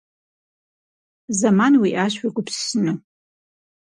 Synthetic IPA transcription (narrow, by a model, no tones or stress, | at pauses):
zamanwiʔaʃʷiɡʷʊpsɨnu